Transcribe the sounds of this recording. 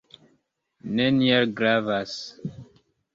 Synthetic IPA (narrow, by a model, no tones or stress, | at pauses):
nenielɡɾavas